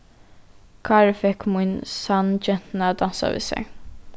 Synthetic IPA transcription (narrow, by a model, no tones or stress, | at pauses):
kʰɑːɹfɛkmʊnsɑnd͡ʒɛn̥t̪nɑd̪ɑnsa̰ʋɪ̰ːsɛ̰